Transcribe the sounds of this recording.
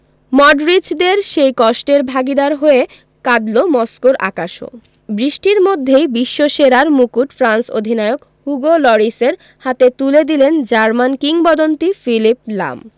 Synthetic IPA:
mɔɖɾid͡ʑd̪eɾʃejkɔʃʈeɾbʱaɡid̪aɾɦoe | kad̪lomɔskoɾʔa̰kaʃo̰ | bɾiʃʈiɾmod̪ʱːejbiʃːoʃeɾaɾmukuʈfɾanso̰d̪ʱinaeok | huɡolɔɾiseɾ | hat̪et̪uled̪ilend͡ʑaɾmankiŋbɔd̪ont̪ifilipla̰m

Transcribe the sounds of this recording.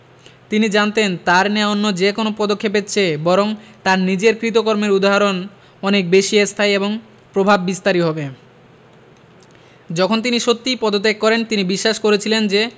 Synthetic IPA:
t̪inid͡ʑant̪ent̪aɾneaonːod͡ʑekonopɔd̪okʰːep̬etːt͡ɕʰebɔɾoŋt̪aɾnid͡ʑeɾkɾit̪okoɾmeɾud̪aɦaɾon | ɔnek̚beʃiest̪ʰajeboŋ | pɾobʱabːist̪aɾiɦɔbe | d͡ʑɔkʰont̪̬iniʃot̪ːipɔd̪ot̪ekːɔɾent̪inibiʃːaʃkoɾet͡ɕʰilend͡ʑe

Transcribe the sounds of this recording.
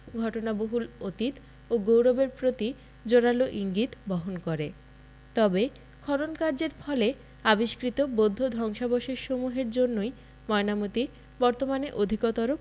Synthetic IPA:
ɡʱɔʈonaboɦulot̪it̪ | oɡowɾobeɾpɾot̪i | d͡ʑoɽaloʔiŋɡit̪bɔɦonkoɾe | t̪ɔbe | kʰɔɾonkaɾd͡ʑeɾfʰɔle | abiʃkɾit̪obod̪ʱːod̪ʱɔŋʃaboʃeɾʃomuɦeɾd͡ʑonːoj | mɔenamut̪i | bɔɾt̪omaneʔod̪ʱikot̪aɾo

